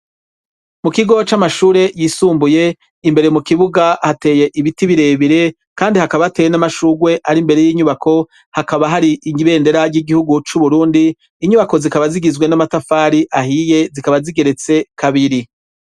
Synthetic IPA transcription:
mukiɡo̞t͡ʃamaʃuːɾe̞jisuːmbuje̞ | imbe̞ɾemukiβuɡahate̞ːje̞ʔiβitiβiɾe̞βiɾe̞ | kaːndihakaβaate̞ːjenamaʃuɡwe̞ʔaɾimbe̞ɾe̞jiːɲuβakʰo̞ | hakaβaɦaɾiʔiɲiβe̞ːnde̞ɾaɾɟiɡihuɡut͡ʃuβuɾuːndiː | ɲuβako̞zikaβaziɡizwe̞namatafaːɾiʔahije̞zikaβaziɡe̞ɾe̞t͡se̞kʰaβiɾi

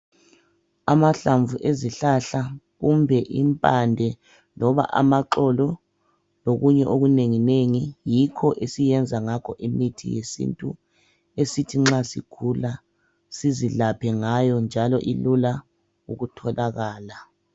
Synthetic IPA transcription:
amaɬaɱvuʔeziɬaɬa | ɣumbʱɛʔimpʼandʱɛ | lɔβa̰ʔa̰maǃɔlɔ | loɣuɲɛʔoɣuneŋineŋijikʰɔʔesijɛnd͡zʱaŋakʰɔʔimitʰḭjesḭntʼṵ | esitʰiŋ͡ǁasḭkʰula | siziɮapʰɛŋajɔnd͡ʒʱalɔ̰ʔilula | uɣutʰɔlaɣaːla

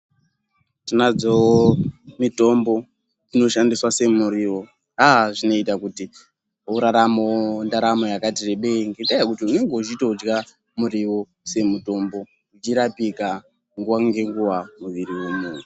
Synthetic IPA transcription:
tinad͡zoomito̞mbo̞ | ino̞ʃandiswase̞muɾiʋo̞ | aʐino̞itakuti | uɾaɾamondaɾamo̞jakatireɓeŋɡetajakutiune̞ŋɡeut͡ʃitoud͡ʒɡa | muɾiʋo̞ | se̞muto̞mbo̞ | ut͡ʃiɾapika | ŋɡuʋaŋɡe̞ŋɡuʋamuʋiɾiwemuːn̤u

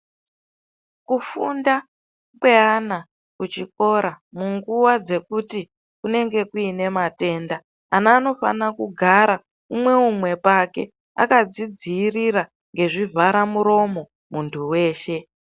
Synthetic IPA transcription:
kufunda | kwe̞ana | kut͡ʃiko̞ɾamuŋɡuwad͡ze̞kuti | kune̞ŋɡe̞kuine̞mate̞ːndaː | naːno̞fa̰nakuɡʱaɾa | umwe̞umwe̞pake̞̰ | a̰kad͡zid͡ziːriɾa | ŋɡe̞ʐivʱaɾamuɾo̞mo̞ | muntʰuwe̞ːʃe̞

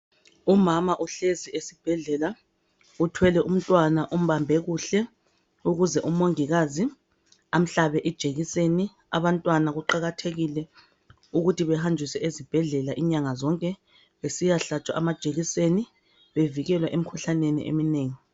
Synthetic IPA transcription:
umamaʔuɬeziesib̥ʱɛɮɛla | utʰwɛlɛʔum̩tʼwanaʔum̩βambʱɛɣuɬɛ | uɣuzɛʔumoŋiɣazi | am̩ɬaβɛʔɛd̥ʒ̥ʱeɣiseni | aβantʼwanaɣuǃaɣatʰeɣilɛ | uɣutʰiβɛhand͡ʒʱisɛezib̥ʱɛɮɛlaʔiɲaŋazɔŋkʼɛ | βesijaɬat͡ʃʼwa̰ʔamad̥ʒ̥ʱeɣiseni | βeviɣɛlwaʔemikʰuɬanenḭʔḛmineːŋi

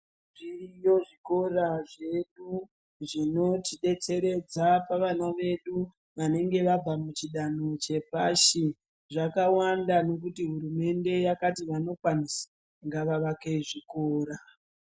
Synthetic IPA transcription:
ʐiijo̞ʐiko̞raʐe̞ɗu | ʐino̞tiɗe̞t͡se̞ɾe̞d͡zapaʋanaʋe̞ɗu | ʋane̞ŋɡe̞ʋab͡vamut͡ʃiɗanot͡ʃe̞paʃi | ʐakawandano̞k̬utiɦuɾume̞nde̞jakatiʋano̞kwanisḁ | ŋɡaʋaʋakeʐiko̞ːɾa

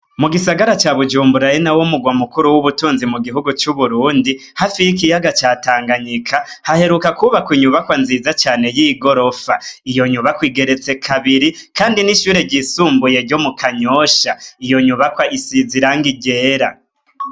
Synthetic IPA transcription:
muɡisaɡaɾat͡ʃaβud͡ʒuːmbuɾajenawomuɡwamukuɾuwuβutuːnzimuɡiɦuɡut͡ʃuβuɾuːndi | hafijik̬ijaɡat͡ʃaːtaːŋɡaɲikʰahahe̞ɾukakuβakwiɲuβakwanzizat͡ʃaːne̞jiɡo̞ɾo̞faijo̞ɲuβakwiːɡe̞ɾe̞t͡se̞kʰaβiɾikʰaːndiniʃuːɾe̞ɟisuːmbuje̞ɾɟo̞mukʰaɲoːʃaijo̞ɲuβakwaʔisiziɾaːŋɡiɡe̞ːɾa

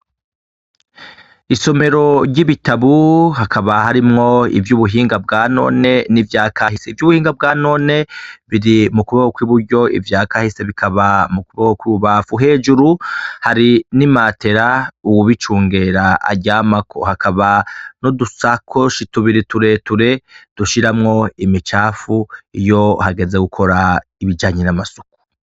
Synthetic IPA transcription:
iso̞me̞ɾo̞ɾɟiβitaβuɦakʰaβahaɾimŋo̞ḭvjuβuɦiːŋɡab̚ɡaːno̞̰ːne̞nivjaːkaɦiseivjuːβuhiːŋɡab̚ɡaːno̞ne̞βiɾimukuβakokwiβuɾɟo̞ḭvjaːkahise̞βikʰaβamukuβakokwiɾuβafuɦe̞ːʒuɾuhaɾinimaːte̞ɾauwuβit͡ʃuːŋɡe̞ɾaa̰ɟaːmakʰo̰hakʰaβano̞dusakʰoʃituβiɾituɾetuɾe̞d̥uʃiɾamŋo̞imit͡ʃaːfuijo̞haɡe̞zeɡukʰo̞ɾaiβid͡ʒaːɲenamasuku̥

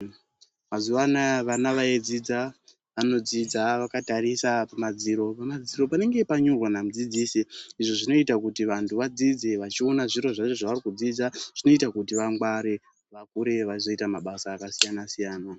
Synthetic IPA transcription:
mazuwanaʋanaʋaed͡zid͡za | ʋano̞d͡zid͡zaʋakataɾisapamad͡ziːɾo̞pamad͡ziɾo̞pane̞ŋɡe̞paɲurwanam̩ud͡zid͡ziːsiiʐo̞ʐino̞itakutiʋantʰuʋad͡zid͡ze̞ʋat͡ʃio̞naʐiɾo̞ʐat͡ʃo̞ʐaʋarikud͡zid͡zaʐ̥ino̞itakutiʋaŋɡwaɾe̞ | ʋakuɾe̞ʋaizo̞itamaɓasaːkasijanasijaːna

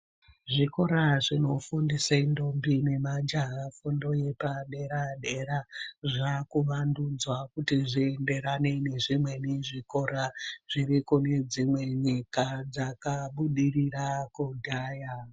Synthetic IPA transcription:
ʐiko̞ɾaʐino̞fundisaindombine̞mad͡ʒaɦafundo̞je̞paɗe̞ɾaɗe̞ɾaʐakuʋandud͡zwakutiʐiende̞ɾane̞ne̞ʐimwe̞neʐiko̞ɾaʐ̥irikune̞d͡zimwe̞ɲikad͡zakaɓuɗirirakudʱaːja

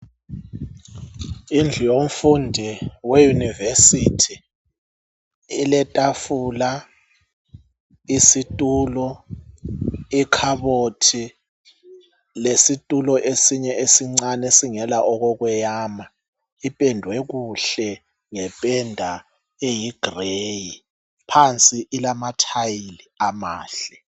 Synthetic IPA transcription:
ind͡ɮʱijom̩fundʱiwejunivesitʰi | ilɛtʼafuːla | isitʼuːlɔ | ikʰaβotʰi | lesitʼulɔʔesiɲɛʔesiŋ͡ǀanɛsiŋɛlaʔɔɣɔɣwɛjaːma | ipʼɛndʱwɛɣuɬɛ | ŋɛpʼɛndʱa | ejiɡ̥ʱreji | pʰant͡sʼiʔːlamatʰajiliamaːɬɛ

